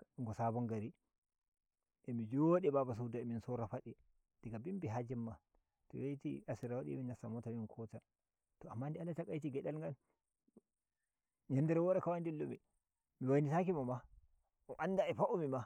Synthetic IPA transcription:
ŋɡɔsabɔŋɡaɾi | ʔɛmid͡ʒoɗɛbabas̬udaɛminsɔɾafaɗɛ | d̥ɛɡabimbiɦad͡ʒɛmːa | tɔ̰jejtiasiɾawaɗḭminasamɔtaminkʰɔta | tɔamːandɛalːatakajtiɡɛɗalŋɡal | ɲɛndɛɾɛwɔɗakawandilːomi | miwajnitak̬imama | ʔɔʔandaɛfaʔumima

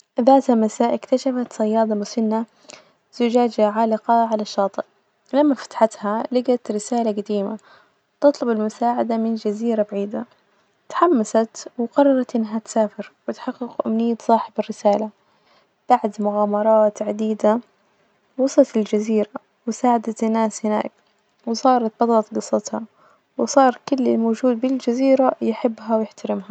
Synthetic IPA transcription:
ðaːt̪hamasaːʔɪkt̪aʃafat̪sˤɑjːɑːd̪ˤɑmʊsʊnːa | z̥ʊd͡ʒaːd͡ʒaʕaːlɪqɑʕalaʃːɑːt̪ˤɨʔ | lamːafḁt̪ħat̪halaɡat̪ɾɪsaːlaɡad̪iːma̰ | t̪ɨt̪ˤlʊbɪlmʊsaːʕad̪amɪnd͡ʒaziːɾabaʕiːd̪a | t̪ḁħamːasat̪wqɑrˤːɑɾˤɑt̪ʔɪnːɦat̪saːfɪɾwɪt̪ħɑqːɪqʔʊmnɪjːat̪sˤɑːħɪbɪrːɪsaːla | b̥aʕd̪mʊɣaːmɑɾˤɑːt̪ʕad̪iːd̪a | wɑsˤɑt̪ɪld͡ʒaziːɾa | wɪsaːʕad̪at̪ɪnːaːshɪna̰ːk | wɪsˤɑːɾˤɑt̪̚bɑt̪ˤɑlɑt̪ɡɨsˤːɑt̪hɑ̰ | wɪsˤɑːɾˤkʊlːɪlmoːd͡ʒuːd̪̚bɪld͡ʒaziːɾajɪħɪbːɦawjɪħt̪aɾɪmha

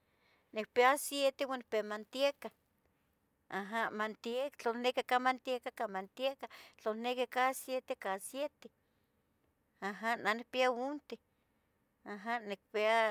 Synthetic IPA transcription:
nik̚peasjet̪ewanɪk̚peamant̪ieka | aɦamant̪iekt͡ɬonekikamant̪jekakamant̪jekat͡ɬonekikasjet̪ekasjet̪e | aɦananik̚piaunt̪e | aɦanik̚pea

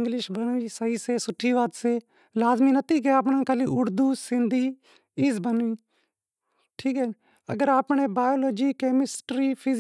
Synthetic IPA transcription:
ɪ̃ŋɡlɪʃbənʋiːsəɦiːseːsʊʈʰːiːʋaːt̪seː | laːzmiːnət̪iːk̬eaːp̬nãːkəliːʔʊɾd̪uːsɪ̃nd̪ʱiː | iːzbənʋiː | ʈʰiːkɦɛː | ə̰ɡəɾaːpɳ̃eːbaːjoːloːd͡ʒiːkeːmɪsʈɾiːpʰɪ

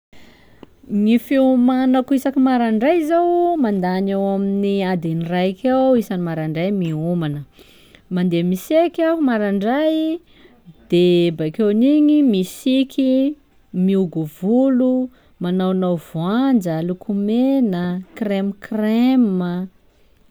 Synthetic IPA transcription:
ŋifiumanəkuisakimaɾaɳɖ͡ʐajzawmand̪anewaminiad̪enirajkʰewisanimaɾaɳɖ͡ʐajmiumanə | mand̪emisekaumaɾaɳɖ͡ʐaj | d̪̥ebakewniɲimisikʰi | miuɡuvulu | manawnawvuand͡ʒəlukʰumenəkremkremə

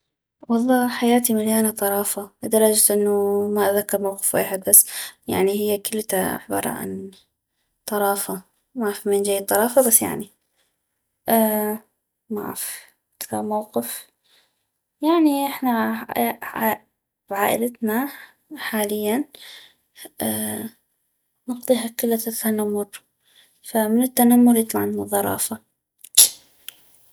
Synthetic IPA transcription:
wɑlˤːɑːħajaːt̪imaljaːnat̪ˤɑɾˤɑːfaʔd̪ɑɾˤɑd͡ʒt̪ʔɪnːumaʔaðakːɑɾˤmawqɪ̥fwḛːħɪd̪̚basːja̰ʕnihɪjːakʊlːt̪a̰ħbɑ̰ɾˤɑ̰ːʔa̰n | t̪ˤɑɾˤɑːfa | mafimend͡ʒajːɪd̪t̪ːˤɑɾˤɑːfabasːja̰ʕni | ʔ | ma̰f | ad̪kɑɾmawqɪf | jaʕniʔɪħna | bʕaːʔɪ̰lat̪na | ħaːlɪjːan | nɑqðˤiːɦakʊlːat̪ːanamːʊɾ | famɪnɪt̪ːanamːʊɾjɨt̪ˤlɑʕnnɨðˤːɑɾˤɑ̰ːfa

